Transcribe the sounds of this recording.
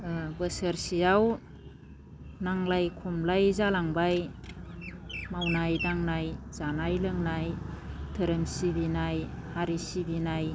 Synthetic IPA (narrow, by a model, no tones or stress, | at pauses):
bəsəɾsijaw | naŋlajkʰumlajzalaŋbaj | mawnajdaŋnajzanajlɯŋnajtʰəɾəmsibinajhaɾisibinaj